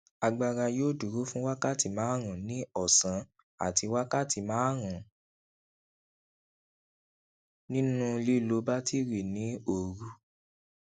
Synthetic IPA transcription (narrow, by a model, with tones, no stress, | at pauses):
a˧ɡ͡ba˧ɾa˧joː˦˨du˨ɾu˦fũ˦wa˦ka˦ti˨mãː˨˦ɾ̃ũ˨nĩ˨˦ɔ˦˨sã˨˦ | a̰˦˨ti˧wa˦ka˦ti˨mãː˨˦ɾ̃ũ˨ | nĩ˦nũ˦˧li˦˨lo˨˧˦ba˦ti˦˨ɾi˨nĩ˨˦o˦˨ɾu˨˧˦